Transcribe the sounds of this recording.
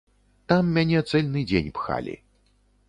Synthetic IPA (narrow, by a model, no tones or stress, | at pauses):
t̪amːʲanʲɛt̪sɛlʲnɨd͡zʲenʲpxa̰lʲḭ